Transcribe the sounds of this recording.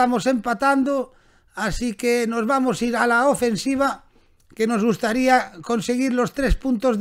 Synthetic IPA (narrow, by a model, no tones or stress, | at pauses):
amosempat̪and̪o | asikenozβamosiɾalaofensiβ̞a | kenozɣust̪aɾiakonseɣ̞iɾlost̪ɾespunt̪oz